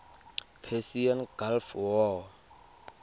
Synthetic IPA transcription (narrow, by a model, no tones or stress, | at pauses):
pʰesianɡ̥alfwɔ